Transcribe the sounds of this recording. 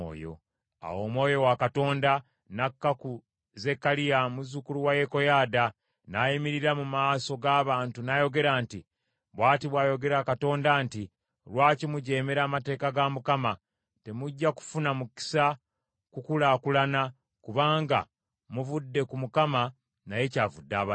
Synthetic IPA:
jo̰ | a̰wo̞ːmwo̞ːjo̞wakato̞ːnda | nakːaku | ze̞kːalijamuzukuluwaje̞ko̞jaːda | najimiɾiɾamumaːso̞ɡaːβaːntunajo̞ɡe̞ɾaːnti | βwaːtiβwaːjo̞ɡe̞ɾakato̞ːndaːnti | lwaːcimuɟe̞ːmeɾaːmate̞ːkaɡamukama | te̞muɟːaku̥funamuki̥sa | kukulakulana | kuβaːŋɡa̰ | muvudːe̞kumukama | naje̞caːvudːaːβa

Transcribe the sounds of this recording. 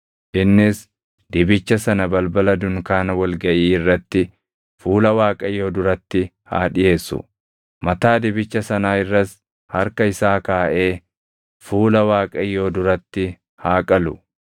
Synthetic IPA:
ʔɪnːɪs | d̪ɪbɪt͡ʃːɐsɐnɐbɐlbɐlɐd̪ʊŋkaːnɐwɐlɡɐʔiːɪrːɐt̪ːɪ | fuːlɐwaːkʼɐjo̞ːd̪ʊɾɐt̪ːɪ | ha̰ːᶑɪje̞ːsːʊ̰ | mɐt̪aːd̪ɪbɪt͡ʃːɐsɐnaːɪrːɐs | hɐɾkɐɪsaːkaːʔe̞ː | fuːlɐwaːkʼɐjo̞ːd̪ʊɾɐt̪ːɪ | haːkʼɐlʊ̰

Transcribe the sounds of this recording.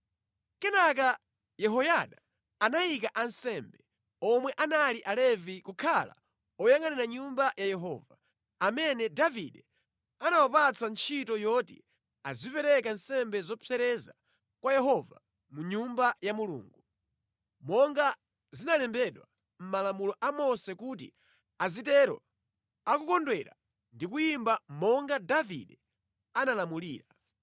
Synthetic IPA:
kɛnak̬a | jɛɦɔjaɗaː | najikaʔansɛmbɛ | ɔmwɛʔanaliʔalɛvikukʰala̰ | ɔjaŋanɛɾaɲumbajajɛɦɔ̰ːva | amɛnɛdavḭɗɛ | anawapat͡sant͡ʃʰitɔjɔtḭ | azipɛɾɛkansɛmbɛzɔpʰɛɾɛza̰ | kwajɛɦɔva̰ | muɲumbajamulṵːŋɡu | mɔŋɡa | zinalɛmbɛɗwa | m̩malamulɔʔamɔsɛkut̬ḭ | azitɛɾɔ̰ | akukɔndwɛɾa̰ | ndikujimbamɔŋɡadavḭɗɛ | analamuliːɾa

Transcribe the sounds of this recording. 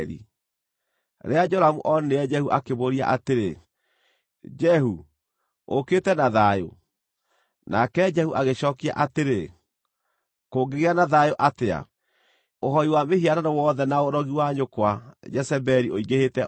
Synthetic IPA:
ɾḭ | ɾead͡ʒɔɾamuʔɔneɛd͡ʒɛhuʔakeβoɾia̰ʔateɾe | d͡ʒɛhu | oketɛnaðajo̰ | nakɛd͡ʒɛhuʔaɣeɕɔːkia̰ʔateɾe | koːŋɡeɣeanaðajoʔatea̰ | oɦɔiwamehiaɾanɔwɔðɛnaoɾɔɣiwaɲokwad͡ʒɛsɛbɛɾioiɣɡehetɛ

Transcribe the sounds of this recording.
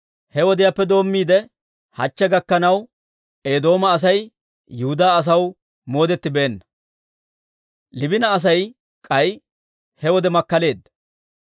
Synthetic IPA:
hɛwɔd̪ɪjapːɛd̪o̞ːmːiːd̪ɛ | hɐ̰t͡ʃːɛɡɐkːɐnɐw | e̞ːd̪o̞ːmɐːs̬ɐj | jʊhʊd̪aːs̬ɐw | mo̞ːd̪ɛt̪ːɪbe̞ːnːɐ | lɪbɪnɐːs̬ɐj | kʼɐj | hɛwɔd̪ɛmɐkːɐle̞ːd̪ːɐ

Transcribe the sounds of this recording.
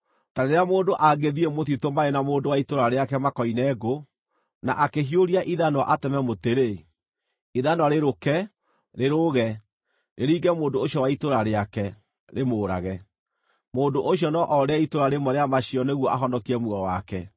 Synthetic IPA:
taneɾeamoːndoʔaɡeðiemoθitomaenamoːndowaitoɾaɾeakɛmakɔinɛɡo | na̰ʔakeɦioɾiaʔiðanwaʔatɛmɛmoteɾe | iðanwaɾeɾokɛ | ɾeɾoɣɛ | nʔeɾiːɡɛmoːdoːɕiɔwaitoɾaɾeakɛ | ɾemoːɾa̰ɣɛ | moːndoʔoɕiɔnɔʔɔɾeɛitoɾaɾemɔɾeamaɕiɔneɣwɔʔaɦɔndɔkiɾɛmuɔwakɛ

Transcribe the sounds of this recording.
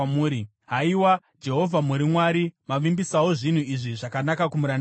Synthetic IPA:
muːɾi | ɦaiwa | d͡ʒe̞ɦo̞vʱamuɾimwaːɾimaʋimbisawoʐin̤uiʐiʐakanakakumuɾan

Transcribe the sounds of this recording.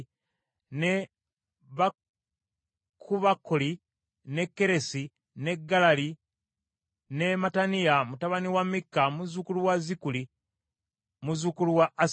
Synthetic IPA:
ne | βa | kʰuβakːoli | ne̞kːe̞ɾe̞si | ne̞ɡːalali | ne̞matanijamutaβaniwamːikːamuzukuluwazikuli | muzukuluwaːs

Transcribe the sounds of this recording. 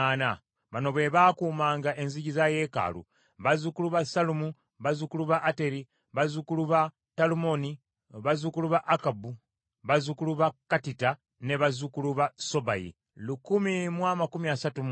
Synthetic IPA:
ana | βano̞βwe̞βakuːmaːŋɡaʔe̞nziɟizaje̞ːka̰lṵ | βazukuluβasalumu | βazukuluβaʔːte̞ɾi | βazukuluβa | talumo̞ni | βazukuluβaʔːkabu | βazukuluβakːatita | ne̞βazukuluβaso̞bajḭ | lukumimwamakumiasatum

